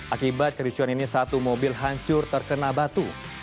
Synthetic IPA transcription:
ʔakibat̪̚kəɾit͡ʃuaninisat̪umobɪlɦaɲt͡ʃʊrt̪ərkənabat̪u

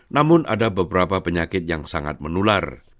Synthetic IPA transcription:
namʊnʔa̰dabəbəɾapapəɲakɪt̪̚jaŋsaŋa̰t̪̚mənula̰r

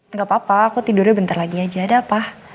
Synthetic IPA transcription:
ŋɡapapaːkut̪idʊrɲabənt̪arlaɡiad͡ʒaːdaːpah

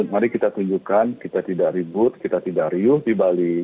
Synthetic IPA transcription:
t̪̚naɾikit̪at̪uɲd͡ʒukankit̪at̪idaʔribʊt̪̚kit̪at̪idaʔɾiʊhdibali

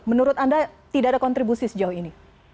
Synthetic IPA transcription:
mənuɾʊt̪andat̪idaːdakɔnt̪ɾibusisəd͡ʒaʊhini

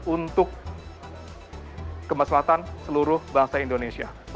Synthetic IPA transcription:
unt̪ʊk | əmaslaat̪ansəluɾʊhbaŋsaindonesia̰

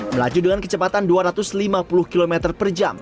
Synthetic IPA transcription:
məla̰d͡ʒudəŋankət͡ʃəpat̪anduaɾat̪ʊslimapulʊhkilomɛt̪ərpərd͡ʒa̰m

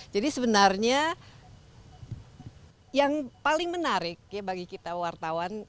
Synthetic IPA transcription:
d͡ʒadisəbənarɲa | jaŋpalɪŋmənaɾɪk̚jabaɡikit̪awart̪awan

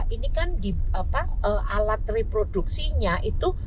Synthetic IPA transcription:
ʔinikandiapaʔəʔalat̪̚repɾod̥uk̚siɲaʔit̪u

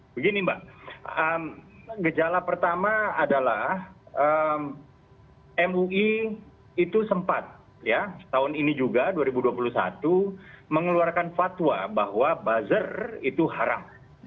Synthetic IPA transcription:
bəɡinibaəmɡəd͡ʒalapərt̪amaːdalahəm | ɛmuʔi | it̪usəmpat̪̚ | jatːaʊninid͡ʒuɡaduaɾibuduapulusa̰t̪uməŋəluarkanfat̪wabaɦwabazərit̪uɦaɾa̰m

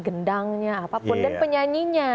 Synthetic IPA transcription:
ɡəndaŋɲaːpapʊndanpəɲaɲiɲa

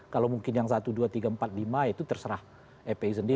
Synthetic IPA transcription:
kalawmuŋkɪnjaŋsat̪uduat̪iɡampat̪̚limajit̪ut̪ərsəɾah | epeisəndi

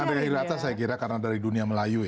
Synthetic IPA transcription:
andajahiɾat̪asajakiɾakarnadaɾiduniaməlaju

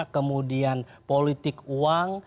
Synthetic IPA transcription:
kəmudianpolit̪ɪkuaŋ

